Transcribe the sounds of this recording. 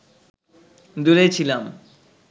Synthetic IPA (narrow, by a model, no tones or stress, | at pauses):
d̪ulet͡ɕʰilam